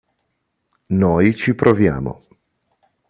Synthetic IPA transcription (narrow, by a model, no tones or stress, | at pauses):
nojt͡ʃipɾovja̰ːmo̰